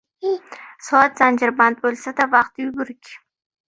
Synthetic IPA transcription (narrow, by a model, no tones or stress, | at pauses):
soɑt̪z̥and͡ʒɪɾband̪̚bolsad̪avɑqt̪jubʊɾkʲ